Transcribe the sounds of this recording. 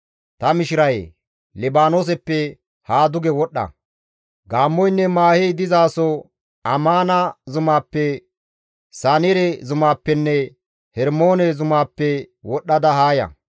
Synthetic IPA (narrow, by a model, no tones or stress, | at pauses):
t̪ɐmɪʃɪɾɐj | lɛbaːnoːs̬ɛpːɛ | haːd̪ʊɡɛwɔɗːɐ̰ | ɡaːmːɔjnːɛmaːhɛjd̪ɪzaːsɔ | ɐmaːnɐzʊmaːpːɛ | saːnɛɾɛzʊmaːpːɛnːɛ | hɛɾmo̞ːnɛzʊmaːpːɛwɔɗːɐd̪ɐhaːjɐ̰